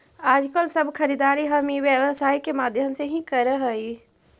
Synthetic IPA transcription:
aːd͡ʒkəlsəbʱkʰəɾid̪aɾiɦəmiʋjəwəsaːikemaːd̪ʱjəmseɦĩkəɾəɦəi

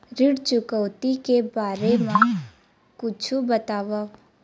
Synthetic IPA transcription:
ɾɪɽt͡ʃʊkəwt̪ikebaːɾemã | kʊt͡ʃʰubət̪aːʋa

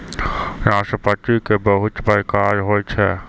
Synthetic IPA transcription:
ɾaːʃʈəpat̪ikebəɦʊt̪bəɾkaːd͡ʒɦoːjt͡ʃʰɛ

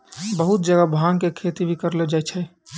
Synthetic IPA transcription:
bəɦut̪̚d͡ʒəɡabʱaŋkekʰet̪ibʱikəɾled͡ʒaːt͡ʃʰɛ

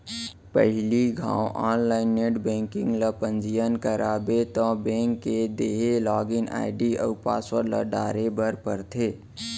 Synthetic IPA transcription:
pə̰ɦɪliɡʱã̰ːoʔaːnlaːɪnːeʈbɛ̃ːŋkɪ̃ŋɡləpənd͡ʒijənkəɾaːbet̪ɔ̃bẽːŋkːed̪eːɦelaːɡɪna̰ːɪɖiə̰ʊpa̰ːswəɾlə̰ɖaːɾebəɾpəɾt̪ʰeː

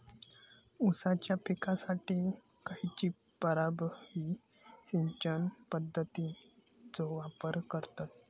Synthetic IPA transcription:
usat͡ɕjapʰikasaʈi | kait͡ɕiː | pəɾabəhi | ɕiɲt͡ɕənpəd̪ʱːət̪i | d͡zoʋapəɾkəɾt̪at̪̚

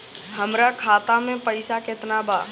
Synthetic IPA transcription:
hɐmɾakʰaːt̪amẽpɐɪsakɪt̪nabʱaː

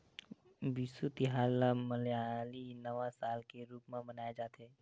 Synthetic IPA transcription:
bisut̪iɦaːlaməljalinəʋãsaːlkeɾuːpmẽbənaːjed͡ʒaːt̪eː

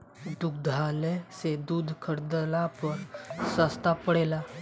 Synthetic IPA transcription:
d̪ʊk̚d̪ʱaːlesed̪uːd̪ʱkʰəɾd̪əlapəɾsaːst̪apəɽeːlaː

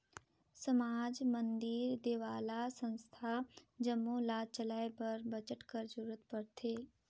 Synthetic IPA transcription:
səmaːd͡ʒmə̃nd̪ɪɾd̪eːʋaːlasə̃nst̪ʰad͡ʒəmːulaːt͡ʃəlaːepɐɾbət͡ʃəʈkəɾd͡ʒəɾuːɾət̪pɐɽt̪ʰeː

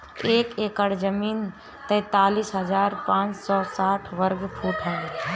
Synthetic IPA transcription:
eːkeːkəɽd͡ʒəmiːn | t̪ɛ̃ːt̪aːliːsɦəzaːɾpãːt͡ʃsɔːsaːʈʰʋəɾɡpʰuːʈɦɛː

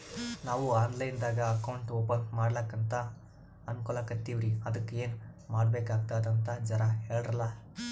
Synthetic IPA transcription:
naːʋuaːnlɐjnd̪aːɡɐɐkɐwɳʈoːpɐnmaːɽlaːkːɐnt̪ɐ | ɐnkulɐkɐt̪ːiʋɾiɐd̪ɐkːeːnmaːɽbeːkaːɡ̚t̪aːd̪ɐnt̪ɐd͡ʒɐɾɐɦe̞ːɭɾɐlɐ

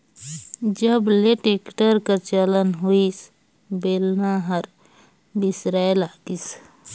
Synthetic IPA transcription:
d͡ʒəbleʈekʈəɾkəɾt͡ʃələnɦuis | belnaɦəɾ | bisɾaelaɡis

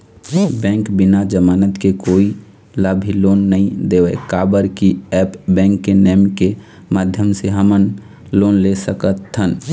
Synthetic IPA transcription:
bɛ̃ːŋkbɪnad͡ʒəmaːnət̪kekoːi | ləbʱiloːnːəɦĩd̪ewɛkabəɾkiɛpbɛ̃ːŋkːenɛmke | mad̪ʱjəmseɦəmən | loːnlesəkət̪ʰːən

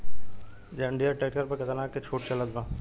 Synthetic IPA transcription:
d͡ʒɐɳɖijaʈeːʈkəɾpɐɾkɐt̪ənaːkːet͡ʃʰoːʈt͡ʃɐlət̪ɡãː

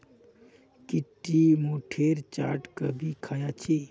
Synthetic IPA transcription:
kiʈːimoʈʰeɾt͡ʃa̰ːʈkəbʱikʰajat͡ʃʰi

